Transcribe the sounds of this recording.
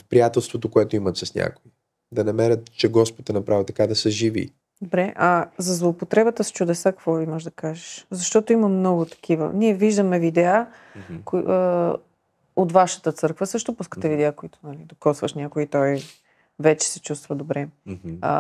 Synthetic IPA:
fpɾijat̪ɛlˠst̪vot̪okoɛt̪oimɐt̪sɾɛsnʲa̰koi | d̪ɐnɐmɛɾət̪t͡ʃɛɡɔspot̪ɛnɐpɾavit̪ɐ̥kad̪ɐsəʒivḭ | d̪obɾɛʔɐzɐzlˠoːpot̪ɾɛbət̪əst͡ʃud̪ɛsakɐ̥kvɔvimɔʒd̪ɐkaʒəʃzɐʃt̪ɔt̪oimɐmnɔɡʊt̪ɐ̥k̟ivə̰niɛviʒd̪əmɛvid̪ɛa | ko | ot̪vaʃə̥t̪ət̪sɤɾkvəsɤʃt̪opuskə̥t̪ɛvid̪ɛakoit̪ʊ̥nɐlid̪okɔsvəʃnʲakoit̪ɔj | vɛt͡ʃɛ̥sɛt͡ʃust̪vəd̪obɾɛ̰

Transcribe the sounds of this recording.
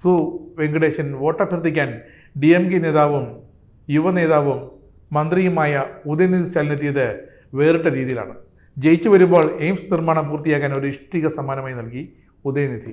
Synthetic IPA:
suʋeŋɡiɽe̞ːʂɐnʋo̞ːʈːɐbʱjɐrt̪ːikʲːaːn | ɖiemɡene̞ːðaːʋum | juʋɐne̞ːðaːʋumː | ɐnd̪rijumaːjɐud̪ɐjɐnid̪ʱit͡ɕalnit̪ːijɐðɨ | ʋe̞ːriʈːɨɾiːðijila̰ːɳɨ | d͡ʑejit͡ɕːuʋɐɾumbo̞ːɭejmsnirmaːɳɐmpuːrt̪ijaːkːaːno̞ɾuiʂʈiːɣɐsɐmaːnɐmaːjnɐlki | ud̪ɐjɐnid̪ʱi

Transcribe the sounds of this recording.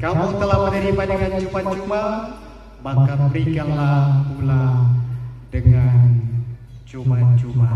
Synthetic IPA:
kamuŋt̪əlahmənəɾibadəŋant͡ʃumand͡ʒuma | bakabəɾiɡanlakula | dəŋan | t͡ʃumaad͡ʒuma

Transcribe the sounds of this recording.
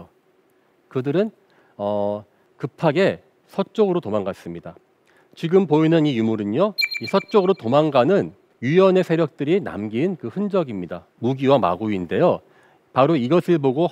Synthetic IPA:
kɯdɯɾɯn | ʌ | kɯpʰaɡe̞ | sʰʌt͡ɕ͈oɡɯɾotomaŋɡas͈ɯmɲida | t͡ɕiɡɯmpoinɯnijumuɾɯɲoisʰʌt͡ɕ͈oɡɯɾotomaŋɡanɯn | ɥijʌne̞sʰe̞ɾjʌk̚t͈ɯɾina̰mɡinkɯɸɯnd͡ʑʌɡimɲida | muɡiwama̰ɡuinde̞jo | paɾoiɡʌsʰɯɭboɡo

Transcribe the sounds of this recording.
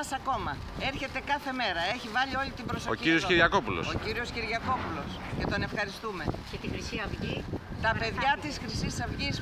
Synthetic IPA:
sɐko̞mɐ | e̞ɾçe̞t̪e̞kɐθe̞me̞ɾɐe̞çivɐʎio̞lit̪ibɾo̞sooiiɾioskiɾʝɐko̞pulo̰sokiɾio̞sciɾʝɐko̞pulo̞s | ce̞t̪o̞ne̞fxɐɾist̪ume̞cet̪ixɾisiɐvʝit̪ɐpe̞ðʝɐt̪isxɾisisɐvʝis

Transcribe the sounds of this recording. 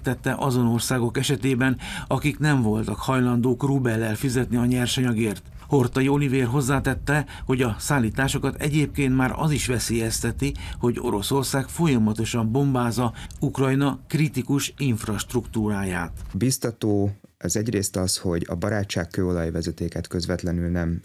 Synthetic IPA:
t̪ɛt̪ːɛʔɒzo̞no̞rsaːɡo̞kɛʃɛt̪eːbɛnɒkiknɛɱvo̞lt̪ɒkhɒjlɒnd̪oːkrubɛlːɛlfizɛt̪niɒɲɛrʃɒɲɒɡeːrt̪ | ho̞rt̪ɒio̞liveːrɦo̞zːaːt̪ɛt̪ːɛho̞ɟɒsaːlːiːt̪aːʃo̞kɒt̪ɛ̰ɟeːp̚keːnt̪maːɾɒ̰ziʃʋɛseːjɛst̪ɛt̪iho̞ɟo̞̰ɾo̞so̞rsaːkfo̞jɒmɒt̪o̞ʃɒmbo̞mbaːzɒukrɒjnɒkrit̪ikuʃiɱfrɒʃt̪rukt̪uːɾaːjaːt̪bist̪ɒt̪oː | ɛzɛɟreːst̪ɒsho̞ɟɒ̰bɒɾaːt͡ʃːaːkkøːolɒjivɛzɛt̪eːkɛt̪køzvɛt̪lɛnylnɛm

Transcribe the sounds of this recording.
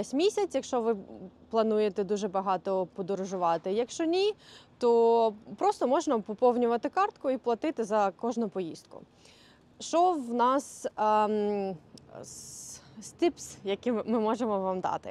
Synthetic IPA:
ɛsʲmʲisʲɐt͡sʲjɐkʃt͡ʃɔʋɪplˠɐnujet̪ɛd̪uʒɛbɐɦɑt̪ɔpɔd̪ɔɾʊʒʊʋɑt̪ɪjɐkʃt͡ʃɔnʲit̪ɔpɾɔst̪ɔmɔʒnɐpɔpɔwnʲʊʋɐt̪ɪkɑrt̪kʊiplˠɐt̪ɪt̪ɪzɐkɔʒnʊpɔjḭst̪̚kʊ̰ | ʃt͡ʃɔʋnɑs | st̪ɪpsjɐkimmɪmɔʒemɔʋɑmd̪ɑ̰t̪ɪ̰

